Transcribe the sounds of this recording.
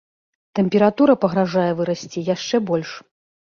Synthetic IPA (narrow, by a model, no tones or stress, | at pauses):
t̪ɛmʲpʲɛɾat̪uɾɐpɐɣɾaʐajɛvɨɾasʲt͡sʲijaʂt͡ʂɛbɔlʲʂ